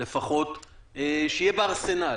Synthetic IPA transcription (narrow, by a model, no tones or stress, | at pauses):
efaχo̞t̪eʃejebeaʁse̞na